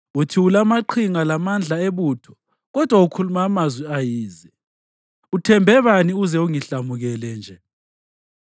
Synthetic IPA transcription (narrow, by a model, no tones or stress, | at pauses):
utʰiulamaǃʰiŋalamand͡ɮʱaeβutʰɔ̥ | ɣɔd̥ʱwaukʰulumːmazwiajiːzɛ | utʰɛmbʱɛβaniuzɛuŋiɬamuɣɛlɛnd͡ʒʱɛ